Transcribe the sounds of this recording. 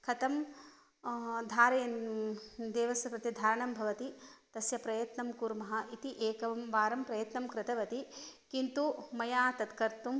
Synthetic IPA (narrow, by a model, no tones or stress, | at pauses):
kʰɐt̪ɐm | d̪ʱaːɾen | d̪eːʋɐsɐpɾɐt̪id̪ʱaːɾɐɳɐmbʱɐʋɐt̪it̪ɐsjɐpɾɐjɐt̪nɐmkuːɾmɐɦɐʔit̪iʔeːkɐʋɐmʋaːɾɐmpɾɐjɐt̪nɐmkɾɪt̪ɐʋɐt̪ikint̪umɐjaːt̪ɐt̪kɐɾt̪um